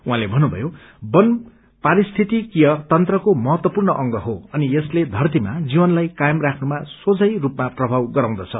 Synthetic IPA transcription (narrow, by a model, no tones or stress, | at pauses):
uɦãlebʱʌnːubʱʌ̰jo | bʌn | paɾist̪ʰit̪ikijʌt̪ʌnt̪rʌkomʌɦʌt̪wʌpurnʌʔʌŋɡʌɦoʌniesled̪ʱʌrt̪̬imad͡zibʌnlajkajʌmrakʰnumasod͡zʌjrupmaprʌbʱawɡʌɾãw̃d̪ʌt͡sʰʌ